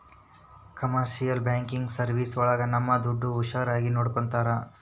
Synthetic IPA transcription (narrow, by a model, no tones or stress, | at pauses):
kɐmɐɾʃijɐlbjaːŋkiŋɡsɐɾʋiːsɔɭɐɡɐnɐmːɐd̪uɖːuːʃaːɾaːɡinoːɽkont̪aːɾɐ